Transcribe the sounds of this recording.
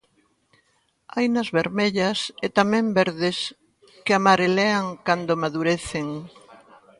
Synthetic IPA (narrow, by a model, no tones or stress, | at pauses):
ajnɐzβeɾmeʎɐset̪amɛ̃mbeɾðɪs | kɪamaɾeleaŋkand̪omaðuɾeθeŋ